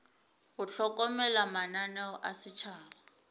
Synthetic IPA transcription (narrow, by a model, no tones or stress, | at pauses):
ɣʊt͡ɬʰɔkʼɔmɛlamananɛɔʔasɪt͡ʃʰaːlaa